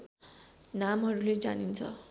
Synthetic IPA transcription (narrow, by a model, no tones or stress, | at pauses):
namɦʌɾuled͡za̰nint͡sʰʌ̰